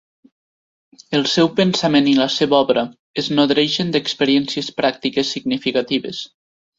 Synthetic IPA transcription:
əlˠsɛwpənsameniləsɛβaɔβɾə | əznoðɾeʃənd̪əkspəɾiɛnsiəspɾak̚t̪ikesːiɡnifikat̪iβḛs

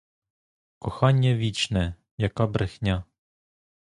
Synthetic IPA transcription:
kɔxɑnʲːɐʋʲit͡ʃnɛ | jɐkɑbɾʔɪxnʲa

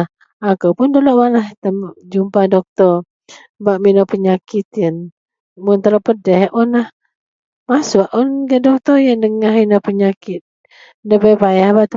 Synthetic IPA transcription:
akəwpʊndoloʔwanlaht̪əmd͡ʒumpadɔk̚t̪ɔr | baʔminɔpəɲakit̪jən | mʊnt̪əlɔpədɛhɔnlah | masuaʔɔnɡaʔdɔk̚t̪ɔjəndəŋaɦminɔpəɲakɪt̪̚ | dəbəbajahbaʔt̪ə

